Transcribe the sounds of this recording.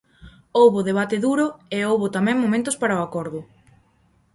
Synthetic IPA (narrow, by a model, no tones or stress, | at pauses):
owβʊðeβ̞at̪ɪðuɾʊeowβʊt̪amɛ̃ŋmomẽnt̪ʊspaɾaoakɔɾðʊ